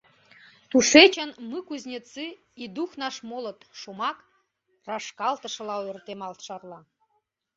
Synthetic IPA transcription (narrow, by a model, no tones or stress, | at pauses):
t̪uʃet͡ɕə̆nmɨkuzʲnʲet͡sɨ | id̪uxnɑʃmolə̆t̪ʃumɑk | rɑʃkɑlt̪ə̆ʃə̆lɑørt̪emɑlt̪ʃɑrlɑ